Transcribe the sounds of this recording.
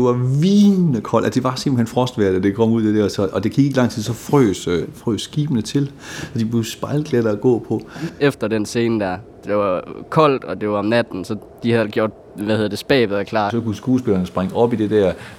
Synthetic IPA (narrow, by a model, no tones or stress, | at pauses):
d̥ʋɑ̈ʋiːnəkʰɒ̽l̰ʔæsd̥e̝ʋɑ̈semb̥l̩henfʁɒ̽sd̥ʋæɐd̥d̥e̝kʰɒ̽m̰uð̞̰ˠd̥e̝d̥æɐsɒ̽ʔɒd̥e̝kʰiɡ̥e̝ɡ̥lɑ̈ŋ̰t͡sʰiðˠsɒ̽fʁø̰ːsfʁø̰ːsɡ̥iːb̥ənət͡sʰe̝l | sɒ̽d̥ib̥le̝sb̥ɑ̈ɪlɡ̥led̥ɐæɡ̥ɔ̰̽ːpʰɒ̽efd̥ɐd̥ense̝ːnəd̥æɐ | d̥eʋɑ̈kʰɒ̽l̰d̥ɒ̽d̥e̝ʋɑ̈ɒ̽mnæd̥n̩sɒ̽ | d̥ihæðˠeɡjo̝ɐ̰d̥̚ | ʋæhe̝ð̞ˠɐd̥e̝sb̥ɛ̰ːb̥ðˠɐkʰlɑ̰̈ːsɒ̽kusɡ̥uːsb̥e̝lɐnəsb̥ʁaŋɒ̽b̥id̥e̝d̥æɐ